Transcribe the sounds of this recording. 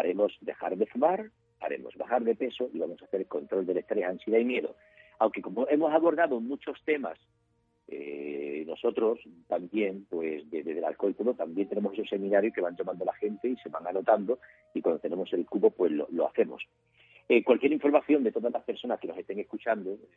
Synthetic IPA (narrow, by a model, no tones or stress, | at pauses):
aɾe̞mo̞sd̪e̞xaɾðe̞fumaɾ | a̰ɾe̞̰mo̞̰zβa̰xaɾðe̞pe̞so̞ʔiβamo̞saθe̞ɾeko̞nt̪ɾo̞ld̪e̞le̞st̪ɾe̞sanseðajmje̞ðo̞̰ | awŋke̞ko̞mo̞e̞mo̞saβo̞ɾðaðomut͡ʃo̞st̪e̞ma̰s | ḛno̞so̞t̪ɾo̞st̪ambje̞ŋpwe̞sdeðeðela̰lko̞lt̪oðot̪ambjent̪enemose̞sosːe̞mĩnaɾjoke̞βaɲd͡ʒamand̪olaxe̞nt̪e̞ise̞βaŋano̞t̪and̪o̞ | ikwand̪ot̪e̞ne̞mo̞se̞lkuβo̞pwe̞zlo̰lo̞a̰θe̞mo̞̰s | ekwalkje̞ɾiɱfo̞ɾmaθjo̞nd̪e̞t̪o̞ðazlaspe̞ɾso̞naskeno̞se̞st̪e̞ŋe̞skut͡ʃand̪o